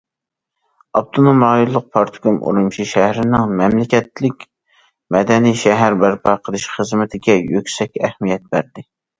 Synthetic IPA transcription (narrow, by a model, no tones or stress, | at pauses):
ɑb̚t̪ʰonomɑjulˠːʊq̚pʰɑɾt̪ʰɡomʔo̰ɾumʃiʃæhɾɪnɪŋmɛmlɪkʲɛt̪lɪkʲ | mɛd̪ɛniʃɛɦæɾbæɾpʰɑqʰəlˠɨʃχəzmɪt̪ʰɪɡʲɛjøkʲsɛkʲæhmijɛt̪̚bæ̰ɾd̪ɪ